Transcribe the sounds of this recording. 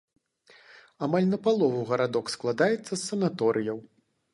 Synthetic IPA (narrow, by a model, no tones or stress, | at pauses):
amalʲnɐpalˠɔvuɣɐɾad̪ɔksklˠad̪ajɛt̪sːɐsːɐnat̪ɔɾʔɨjɐw